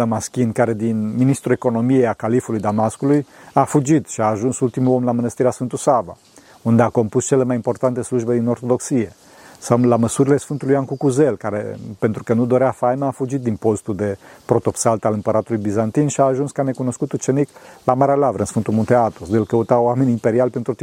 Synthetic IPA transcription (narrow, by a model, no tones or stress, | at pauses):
əmaskʲinkaɾe̞d̪inminist̪ɾue̞ko̞no̞mijejakalifulujd̪amaskulujafud͡ʒit̪ʃiaːʒunsult̪imulo̞mlamɨnəst̪iɾeasfɨnt̪usava̰ | und̪e̞ako̞mpust͡ʃe̞le̞majimpo̞rt̪ant̪e̞sluʒbe̞d̪ino̞rt̪o̞d̪o̞ksije̞ | salaməsuɾilesfɨnt̪ulujankukuzelkaɾḛpent̪ɾukənud̪o̞ɾeafajmaːfud͡ʒit̪̚d̪inpo̞st̪uld̪e̞pɾo̞t̪o̞psalt̪alɨmpəɾat̪ulujbizant̪inʃiaːʒunskane̞kuno̞skut̪ut͡ʃe̞niklamaɾealavɾəɨnsfɨnt̪ulmunt̪eat̪osd̪elkəut̪awamenʲimpe̞ɾialpent̪ɾut̪